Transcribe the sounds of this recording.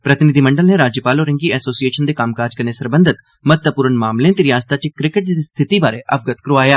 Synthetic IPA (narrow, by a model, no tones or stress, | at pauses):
pɾət̪ɪnɪd̪iːməɳɖəlneːɾaːd͡ʒjəpaːloːɾə̃ŋɡiːɛːsoːsieːʃənd̪eːkamkaːd͡ʒkəɾneːsəɾbənd̪ɪt̪ | mət̪əpuːɾənmaːmlẽːt̪ɪɾɪjaːst̪aːt͡ʃekɾɪkəʈ̚d̪ist̪ʰɪt̪iːbaːɾeːʔəbɡət̪kəɾoʋaːjaː